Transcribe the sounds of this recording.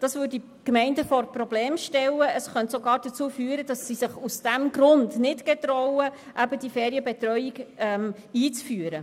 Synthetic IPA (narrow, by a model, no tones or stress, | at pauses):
d̥ɑsvøːdi | kmɛɪndəfɔɾprɔbleːmʃtɛlːəʔəsχœntsɔɡɑːɾdət͡suːfyːəɾəd̥ɑsːisɪχusd̥æmɡɾʊndnɪtɡ̥ɛt̪ɾɔwə | ʔæbəd̥ifɛːɾiəbɛt̪ɾœjiɡɛm | iːt͡sfyːəɾə